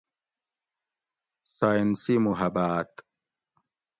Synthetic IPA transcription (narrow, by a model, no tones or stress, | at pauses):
sajnsimuɦɐbaːt̪